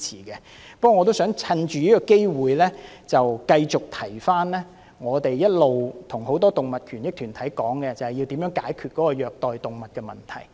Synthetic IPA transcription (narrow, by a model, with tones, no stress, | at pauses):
t͡sʰḭː˨˩kɛ˧ | pɐ˥kwɔː˨˧ŋːɔ˨˧t̪o˥wsœː˨˥ŋt͡sʰɐ˧nt͡ʃyː˨iː˥kɔ˧ke˥jwuː˨jlɛ˥ | t͡sɐ˨wkɐ˧jt͡sʊ˨k̚t̪ʰɐ˨˩jfaː˥nlɛː˥ | ŋɔː˨˧t̪e˨jjɐ˥t̚lo˨wt̪ʰʊ˨˩ŋho˨˧wt̪ɔː˥t̪ʊ˨ŋmɐ˨t̚kʰyː˨˩njɪ˥k̚t̪ʰyː˨˩nt̪ʰɐ˨˥jkɔː˨˥ŋkɛ˧t͡sɐ˨whɐ˨ji˧wt̪iː˨˥mjœ˨˥ŋkaː˨˥jkʰyː˨˧t̚kɔː˨˥kɔ˧jœː˨k̚t̪ɔː˨jt̪ʊ˨ŋmɐ˨t̚kɛ˧mɐ˨˩nt̪ʰɐ̰˨˩j